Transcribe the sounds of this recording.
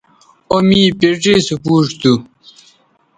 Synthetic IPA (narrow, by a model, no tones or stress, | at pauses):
omiːpiʈisupuːʈt̪u